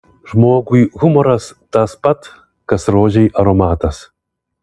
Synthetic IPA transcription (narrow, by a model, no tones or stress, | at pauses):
ʒmoːɡʊiɣʊmɔɾɐst̪ɑspɐt̪ | kɐsɾoːʒʲɛɪʔɐɾɔmɑːt̪ɐs